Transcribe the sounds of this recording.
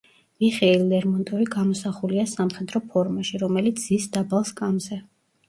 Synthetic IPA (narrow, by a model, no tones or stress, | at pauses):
viχɛillɛɾmɔnt̪ʼɔɾiɡamɔsaχuliasamχɛd̪ɾɔpʰɔɾmaʃiɾɔmɛlit̪sʰz̥isd̪abalˠskʼamzɛ